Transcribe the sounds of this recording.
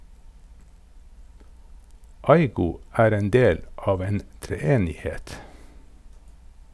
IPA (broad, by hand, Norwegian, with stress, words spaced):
ˈɑɪɡʊ ˈæːɾ ˈeːn ˈdeːl ˈɑːʋ ˈeːn tɾɛˈeːnɪˌhɛt